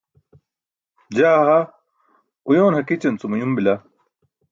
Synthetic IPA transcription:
d͡ʑaːɦa | ujoːnhɐkit͡ɕɐnt͡sumujumbila

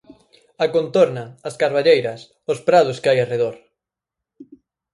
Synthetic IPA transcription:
akont̪oɾnɐːskaɾβaʎejɾɐs | ʊspɾaðʊskɪajareðoɾ

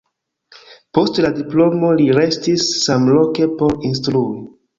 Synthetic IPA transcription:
po̞stladiplo̞mo̞liɾe̞stisːamlo̞ke̞po̞ɾinstɾui

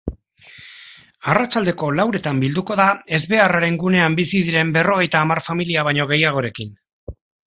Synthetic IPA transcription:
arat͡ʃald̪e̞ko̞lawɾe̞t̪ambild̪uko̞ðae̞zβe̞araɾe̞ŋɡune̞ambisiðiɾe̞mbe̞ro̞ɣ̞e̞jt̪aːmaɾfamiliaβajɲo̞ɣ̞e̞jaɣ̞o̞ɾe̞kin

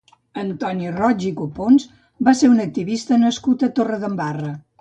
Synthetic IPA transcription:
ənt̪ɔnirɔd͡ʒikuponz | baseɾunək̚t̪iβist̪ənəskut̪ət̪orəðəmbarə

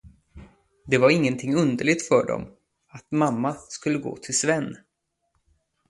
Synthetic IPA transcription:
d̪ɛvaɾɪŋːənt̪ʰɪŋːɵnd̪əɭɪɡ̚t̪fœɖɔ̰m | at̪mamːaskɵlːəɡo̰ːt̪ʰɪlsvɛnː

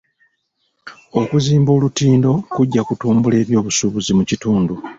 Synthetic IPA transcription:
o̞kuziːmbo̞ːlutiːndo̞kuɟːakutuːmbule̞ːβjo̞ːβusuβuzimucituːndu

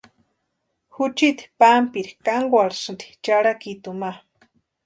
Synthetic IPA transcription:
xut͡ʃit̪i̥pampiɾikaŋɡʷaɽsɨnd̪i̥t͡ʃaɽakit̪uma

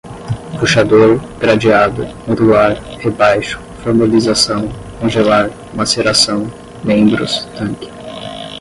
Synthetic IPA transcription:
fuʃad̪oɾɡ̥ɾad͡ʒiad̪ʊ̰mod̪uluaɾhebajʃʊ̥foɾmalizasɐ̃w̃ | kõʒelaɾ | maseɾasɐ̃w̃ | mẽbɾʊ̰st̪ɐ̃ŋkɪ̥

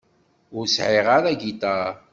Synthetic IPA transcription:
ʊɾsʕɪʁaɾæɡit̪a

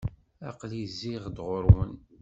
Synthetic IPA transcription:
ɑqliziʁd̪ʁoɾwən

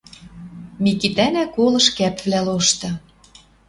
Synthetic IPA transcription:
mʲikit̪ænækolɤ̆ʃkæpvlæloʃt̪ɤ̆

